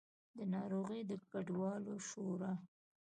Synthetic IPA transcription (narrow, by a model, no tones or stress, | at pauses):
d̪ənɑɾoɣəjd̪əkaɖwɑloʃoɾa